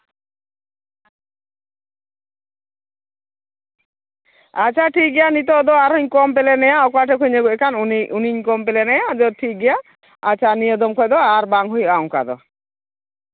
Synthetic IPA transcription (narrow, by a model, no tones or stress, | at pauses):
at͡ʃʰaʈʰik̚ɡɛjanit̪̬ɔd̪ɔaɾɔɲkɔmpelenɛjaɔkɔaʈʰekʰuɲeekanuniuniɲkɔmpelɛnɛjad͡ʒɔʈʰik̚ɡɛja | a̰t͡ʃʰanijed̪ɔmkʰɔjd̪ɔaɾbaŋɦujaɔŋka̰d̪ɔ̰